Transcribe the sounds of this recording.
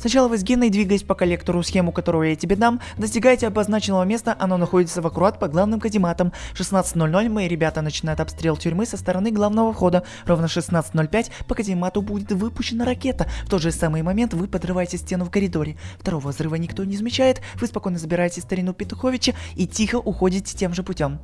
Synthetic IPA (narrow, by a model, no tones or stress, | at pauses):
snɐt͡ɕalˠəvɨzɡʲenːəjd̪vʲiɡəjɪsʲpəkɐlʲe̞kt̪əɾʊsxʲe̞mʊkɐt̪o̞ɾʊjʊjatʲɪbʲed̪am | d̪əsʲtʲɪɡajɪtʲɪɐbɐznat͡ɕɪnəvəmʲe̞st̪əʔɐno̞nɐxo̞dʲɪt̪səvɐkɾʊat̪̚pɐɡlˠavnɨmkədʲɪmat̪əmʂɨsnat̪sɨt̚ʲno̞lʲno̞lʲmɐjiɾʲɪbʲat̪ənət͡ɕɪnajʊt̪ɐpst̪ɾʲe̞lˠtʲʊɾʲmɨsəst̪əɾɐnɨɡlˠavnəvəfxo̞d̪ə | ro̞vnəʂɨsnat̪sɨ̥tʲno̞lʲpʲætʲpəkədʲɪmat̪ʊbudʲɪt̪vɨpʊɕːɪnəɾɐkʲe̞t̪əft̪o̞d̪ʐɨsamɨjmɐmʲe̞nt̪vɨpəd̪rɨvajɪtʲɪsʲtʲe̞nʊfkəɾʲɪd̪o̞ɾʲɪft̪ɐɾo̞vəvzrɨvənʲɪkt̪onʲɪzəmʲɪt͡ɕæjɪt̪vɨspɐkojnəzəbʲɪɾajɪtʲɪst̪ɐɾʲinupʲɪt̪ʊxovʲɪt͡ɕəitʲixəʔʊxo̞dʲɪtʲtʲe̞mʐɨpʊtʲo̞m